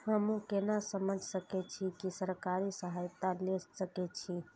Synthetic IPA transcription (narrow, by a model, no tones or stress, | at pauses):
həmũkenasəməd͡ʒʱsəkɛt͡ʃʰikisəɾkaɾisəɦajt̪alesəkɛt͡ʃʰi